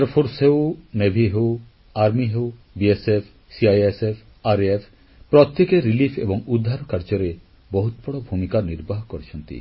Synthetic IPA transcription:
aɾpʰoɾsɦewnebʱiɦew | aɾmiɦew | biesepʰ | siajesepʰ | aɾepʰ | pɾɔt̪jekeɾilifʰḛbɔŋud̪ʱːaɾɔkaɾd͡ʒɔɾe | bɔɦut̪̚bɔɽɔbʱumikaniɾbaɦkoɾet͡ɕʰɔnt̪ḭ

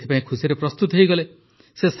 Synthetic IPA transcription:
t̪ʰi̥pãĩkʰusiɾepɾɔst̪ut̪ɦejɡʌle | ses

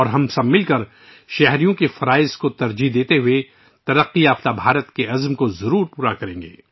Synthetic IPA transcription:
ɔːɾɦɐmsɐmːɪlkɐɾ | ʃɛɦɾijõkefɐɾaːɪzkot̪ɐɾd͡ʒid̪eːt̪eɦʊe | t̪ɐɾəqːiaːft̪abʱaːɾət̪keɐzmkozɐɾuːɾpuːɾakɐɾẽːŋɡḛː

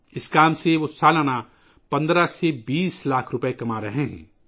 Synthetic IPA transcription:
ɪskaːmseʋosaːlana | pɐ̃nd̪ɾasebiːslaːkʰɾʊpəekɐmaɾɐɦeɦɛ̰̃ː

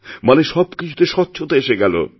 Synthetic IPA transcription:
maneʃɔbkit͡ɕʰu̥t̪eʃɔt̪ːɕʰot̪aeʃeɡɛlo̰

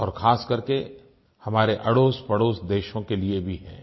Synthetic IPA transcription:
ɔːɾxʰaːskɐɾke | hɐmaːɾeʔɐɽoːspɐɽoːsd̪eːʃõkeliebʱiɦɛ̰̃ː

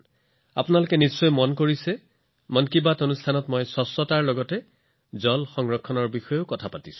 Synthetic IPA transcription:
a̰pʊnalʊkɛnisːɔjmɔnkoɹisɛ | mɔnkibatonustʰanɔtmɔjsɔsːɔtaɹlɔɡɔtɛ | zɔlxɔŋɹɔkʰːɔnɔɹbixɔjokɔtʰapatisʊ̥̃

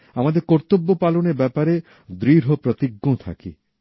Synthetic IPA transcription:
amad̪eɾkɔɾt̪obːopaloneɾbɛpaɾe | d̪ɾiɾɦopɾɔt̪iɡːõt̪ʰa̰kḭ

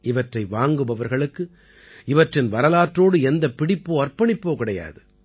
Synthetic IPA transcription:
ɪʋɐʈrɐɪʋaːŋɡɯbɐʋɐɾɣɐɭɯkːɯ | ɪʋɐʈrɪnʋɐɾɐlaːʈroːɽɯɛnd̪ɐpːɪɽɪpːoːɐrpɐɳɪpːoːkɪɽɐja̰ːðɯ

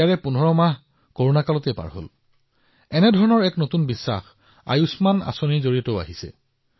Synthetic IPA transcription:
aɹɛpunʱɔɹɔmaɦ | koɹonakalɔtɛpa̰ɹɦo̰l | ɛnɛdʱɔɹɔnɔɹɛknotunbisːa̰x | a̰jusmana̰sonizoɹiɔtoʊa̰ɦisɛ̰

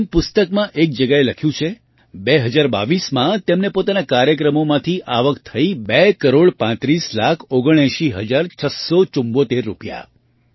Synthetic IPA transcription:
mpʊst̪əkmãʔek̚d͡ʒəɡaeləkʰjũt͡ʃʰe | beɦəd͡ʒaɾba̰ʋismãt̪emnepot̪anakaɾjək̬ɾəmomãt̪ʰiʔaʋəkt̪ʰəibekəɾoɽpãt̪ɾislakʰoɡəɽ̃eʃiɦəd͡ʒaɾt͡ʃʰəsot͡ʃumbot̪eɾːupja̰

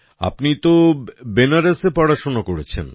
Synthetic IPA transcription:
a̰pnit̪obenaɾesepɔɽaʃonakoɾet͡ɕʰḛn

